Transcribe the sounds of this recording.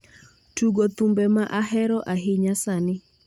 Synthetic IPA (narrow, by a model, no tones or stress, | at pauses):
tuɡot̪umbɛmaʔaɦɛɾɔʔaɦɪɲasanɪ